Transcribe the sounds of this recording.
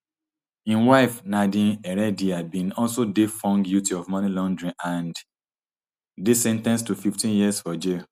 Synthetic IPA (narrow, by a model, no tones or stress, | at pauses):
ĩnwaɪfnadĩɛɹɛdiabĩnɔlsodefɔ̃ŋɡdjutiɔvmɔ̃nilɔ̃ndɹĩnãnd | desɛ̃ntɛ̃nstufiftĩnjiəsfɔd͡ʒe